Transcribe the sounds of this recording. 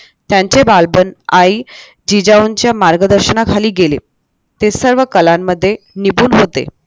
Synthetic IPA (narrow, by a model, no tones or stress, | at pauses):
t̪jaɲt͡ɕebalbənai | d͡ʑid͡ʑauɲt͡ɕjamaɾɡəd̪əɾɕənakʰaliːɡelḛ | t̪esəɾʋəkəlamːəd̪ʱːje | nibuːnɦot̪ḛ